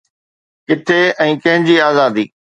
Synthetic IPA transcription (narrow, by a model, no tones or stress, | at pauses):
kɪt̪ʰeɛ̃ːkɐ̃ɦɪ̃ɲd͡ʑiːaːzaːd̪ḭː